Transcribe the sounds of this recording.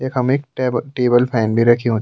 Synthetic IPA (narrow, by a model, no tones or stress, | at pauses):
ekɦɐmeːkːʈeːbəlpʰɛːnbʱiɾɐkʰiɦõːt̪